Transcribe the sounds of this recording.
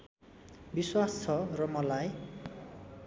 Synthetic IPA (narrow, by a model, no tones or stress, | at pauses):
biswast͡sʰʌrʌmʌlaj